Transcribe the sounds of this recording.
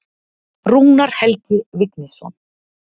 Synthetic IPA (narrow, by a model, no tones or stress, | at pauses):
ɾuːnaɾ̥hɛlt̪ɪvɪknɪsɔ̰n